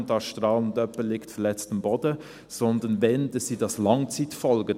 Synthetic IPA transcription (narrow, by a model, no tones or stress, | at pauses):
ndɑʃtʁɑːlnndœpəlɪktfɛlɛt͡stɑmbɔdə | z̥ɔndənvɛndəsiːdɑslɑŋt͡siːtfɔlɡə